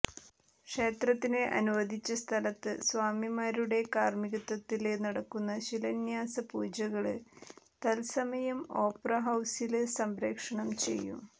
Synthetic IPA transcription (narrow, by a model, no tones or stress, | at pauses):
kʂe̞ːt̪rɐt̪ːineʔɐ̰nuʋɐd̪ʱit͡ɕːɐst̪ʰɐlɐt̪ːɨswaːmimaːɾuɽe̞kaːrmiɣɐt̪ːɐt̪ːilenɐɽɐkːunːɐɕilɐnjaːsɐpuːd͡ʑɐɣɐɭɨ | t̪ɐlsɐmɐjɐmo̞ːprɐɦɐwsilsɐmbɾe̞ːkʂɐɳɐmt͡ɕe̞̰jːṵ